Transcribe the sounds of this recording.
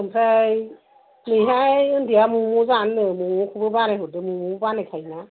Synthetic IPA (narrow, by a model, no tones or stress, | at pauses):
ɯmpʰɾaj | nɯjɦajjɯndijamumozanːɯmumɔkʰɯbɯbanajɦɔdɯmumubanajkʰajna